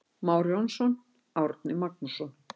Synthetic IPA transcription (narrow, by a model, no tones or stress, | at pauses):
maːwɾjɔnsɔn | awɾt̪nɪmak̚nusɔn